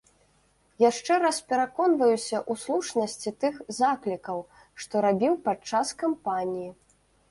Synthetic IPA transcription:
jaʂt͡ʂɛɾaspʲɛɾakɔnvɐjusʲɐʔuslˠut͡ʂnɐsʲt͡sʲit̪ɨxzaklʲikɐw | ʂt̪ɔɾabʲiwpat͡ʂːaskampanʲiji

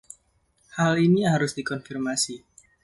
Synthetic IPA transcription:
haliniɦaɾʊsdikɔnfirmasi

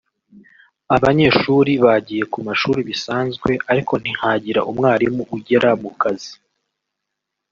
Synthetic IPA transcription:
aβaɲe̞ːʃuːɾiβaɟije̞kumaʃuːɾiβisaːnzɡwe̞ʔaɾikʰo̞n̥ihaɟiɾaʔumŋaːɾimuʔuɟe̞ɾʔamukazi

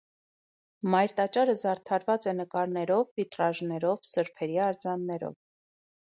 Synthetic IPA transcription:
mɑjɾt̪ɑt͡ʃɑɾəzɑɾt̪ʰɑɾvɑt͡sɛnəkɑɾnɛɾɔvvit̪rɑʒnɛɾɔvsəɾpʰɛɾiɑɾd͡zɑnːɛɾɔ̰v

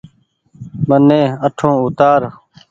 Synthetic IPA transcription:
mənːẽːəʈʰõːʊt̪aːɾ

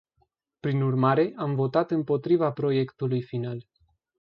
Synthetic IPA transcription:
pɾinurmaɾe̞ʔamvo̞t̪at̪ɨmpo̞t̪ɾivapɾo̞je̞kt̪ulujfinal

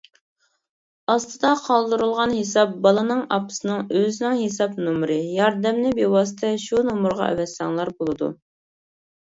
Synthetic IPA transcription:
ɑst̪ɨd̪ɑqʰɑlˠd̪ɨɾulˠʁɑnɦesɑp̚bɑlˠɨnɨŋɑpʰɨ̥sɨnɨŋøzɪnɪŋɦesɑpnumɾɨjɑɾd̪ɛmnɪbewɑs̬ɨt̪ʰɛʃunomuɾʁɑ̰ʔɛ̰wɛsɑŋlˠɑɾbolˠɨd̪ṵ

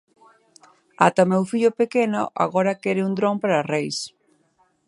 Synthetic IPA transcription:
a̰t̪aomewfiʎʊpekeno̰ʔa̰ɣoɾakɛɾɪund̪ɾõŋpaɾarejs

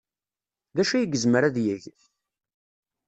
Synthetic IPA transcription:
ðæʃæjəɡəzməɾæðjəʝ

